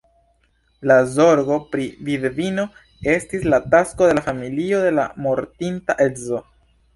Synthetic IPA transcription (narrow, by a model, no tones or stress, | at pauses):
lazo̞ɾɡo̞pɾividvino̞ | e̞stislataskode̞lafamilio̞d̪e̞la̰mo̞ɾtintaʔezo